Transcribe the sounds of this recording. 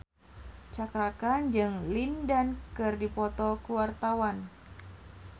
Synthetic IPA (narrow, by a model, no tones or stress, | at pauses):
t͡ʃakɾakaɲd͡ʒɨŋlindankɨrdipɔt̪ɔkuwart̪awan